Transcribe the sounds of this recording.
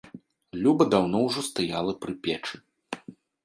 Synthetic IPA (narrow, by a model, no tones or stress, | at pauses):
lʲubɐd̪awnɔwʐɔst̪ajalˠɐpɾɨpʲɛt͡ʂɨ